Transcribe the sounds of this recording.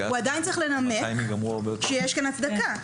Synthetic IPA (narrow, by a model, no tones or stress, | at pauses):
uad̪ajntt͡saʁiχle̞nameɡambʃejeʃkanat͡sd̪aka